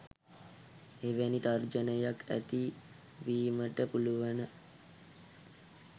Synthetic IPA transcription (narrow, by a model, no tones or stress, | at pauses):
eʋænit̪ard͡ʒənəjakæ̰t̪i | ʋiːməʈəpuluʋanə